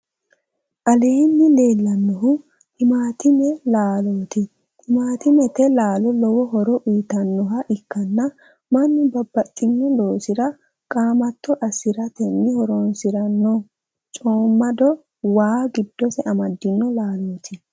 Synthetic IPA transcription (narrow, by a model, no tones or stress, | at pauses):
ʔɐle̞ːnːɪle̞ːlːɐnːɔɦʊ | hɪmaːt̪ɪmɛlaːloːt̪ɪ | hɪmaːt̪ɪmɛt̪ɛlaːlɔlɔwɔɦɔɾɔʔiːt̪ɐnːɔɦɐʔɪkːɐnːɐ | mɐnːɪbɐbːɐt̪ʼːɪnːɔlo̞ːsɪɾɐ | kʼaːmɐt̪ʰːɔʔɐsɪɾɐt̪ɛnːɪhɔɾɔnsɪɾɐnːɔ | t͡ʃʼoːmːɐd̪ɔ | waːɡɪd̪̥ːɔsɛʔɐmɐd̪ːɪnːɔlaːloːt̪ʰɪ